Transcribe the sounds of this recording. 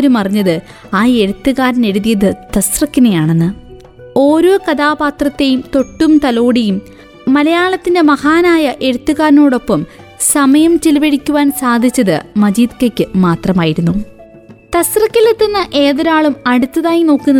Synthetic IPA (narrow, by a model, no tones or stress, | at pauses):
ɾumɐrɐɲːɐðɨ | aːe̞ɽut̪ːuɣaːɾɐne̞ɽuðijɐðɨt̪ɐsrɐkːinejaːɳe̞nːɨ | o̞ːɾokɐd̪aːbaːt̪rɐt̪ːe̞jumt̪o̞ʈːumt̪ɐlo̞ːɽijumː | ɐlɐjaːɭɐt̪ːindemɐhaːnaːjɐʔe̞ɽut̪ːuɣaːɾno̞ːɽo̞pːɐm | sɐmɐjɐmt͡ɕilɐʋeɽikʲːuʋaːnsaːd̪ʱit͡ɕːɐðɨ̰mɐd͡ʑiːd̪kɐkʲːɨmaːt̪rɐmaːjiɾunːu | t̪ɐsrɐkːilet̪ːɐnːɐʔe̞ːðɐɾaːɭumɐɽut̪ːɐðaːjino̞ːkːunːɐ